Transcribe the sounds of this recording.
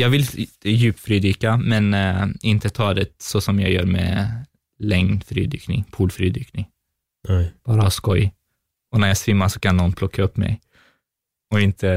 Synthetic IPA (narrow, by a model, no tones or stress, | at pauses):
jɑːɡvɪljʉ̟ːp̚t̪fɾyːd̪yːkamɛnɪnt̪ət̪ʰɑːd̪ɛsɔsɔmjɑːjœ̰ːɾmɛ̰ | lɛŋnfɾy̰ːd̪y̰ːknɪ̰ŋpʰuːlfɾyːd̪yːknɪŋ | b̥ɑːɾahɑskɔj | ɔnæɾjɑːsvɪmːaʂɔkʰanːɔnpʰlɔkʰːaɵpːmɛ̰j | ɔɪnt̪ʰə